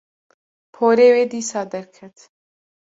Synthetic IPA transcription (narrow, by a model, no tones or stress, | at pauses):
pʰoːɾeːweːd̪iːsɑːd̪ɐɾkʰɐt̪